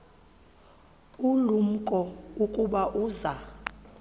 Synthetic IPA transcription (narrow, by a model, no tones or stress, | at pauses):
ulum̩kʼɔukʼuɓaʔuːza